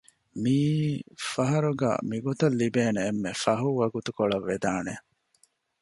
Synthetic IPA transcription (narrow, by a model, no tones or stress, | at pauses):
miːfɐɦɐɾuɡɐ̰ːmiɡot̪ɐlːibeːneːmːefɐɦuʋɐɡut̪ukoɭɐʋːed̪aːne